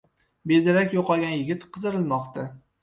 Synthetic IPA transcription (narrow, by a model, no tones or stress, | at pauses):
bezɪɾakʲjoqʰɒlˠɡʲanjɪɡʲɪt̪qʰɨzɪɾɪlˠmɒqt̪a